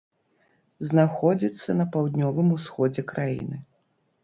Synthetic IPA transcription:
znaxɔd͡zʲit̪sːɐnɐpawd̪nʲɔvɨmusxɔd͡zʲɛkɾajḭnɨ

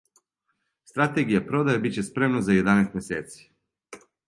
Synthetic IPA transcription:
st̪ɾat̪eɡijapɾod̪ajebit͡ɕespɾemnazajed̪anest̪mjeseːt̪si̥

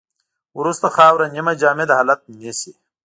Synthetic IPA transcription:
uɾust̪ɐxaːwɾɐnimɐd͡ʑaːmed̪ɐɦalɐt̪̚mesi

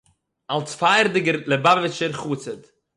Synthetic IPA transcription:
alˠsfaɪɾdɪɡəɾlˠəbavɪt͡ʃəɾχuːt͡səd

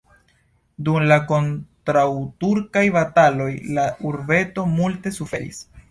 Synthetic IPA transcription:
dumlako̞ntɾawtuɾkajbatalo̞jlauɾbe̞to̞multe̞sufe̞ɾḭs

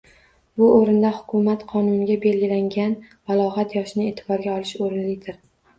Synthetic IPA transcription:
bʊʔoɾɪnd̪ahʊ̥kʰʊmat̪qʰɒnʊnɪɡʲabe̞lɡʲɪlaŋɡʲan | valˠɒʁat̪jɒʃɪnɪe̞ːt̪ʰɪbɒɾɡʲaɒlˠɪʃoɾɪnlɪd̪ɪɾ

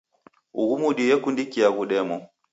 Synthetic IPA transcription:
uɡumuɗijɛkundikijaɡuɗɛmɔ

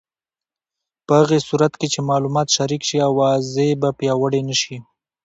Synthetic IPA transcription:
pəhaɣesuɾat̪ket͡ʃemɑlumɑt̪ʃaɾikʃiawɑzebapjɑwəɽenəʃi

